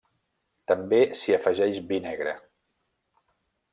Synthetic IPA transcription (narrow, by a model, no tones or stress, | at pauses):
t̪əmbesiəfəʒɛʒbinɛɣɾə̰